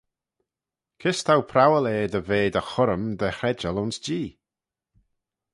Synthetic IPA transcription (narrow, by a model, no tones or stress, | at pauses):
kʰɪst̪ʰawpʰɾawəleːd̪əveːd̪əxʊɾəmd̪ɛhɾɛd͡ʒəlʊnsd͡ʒiː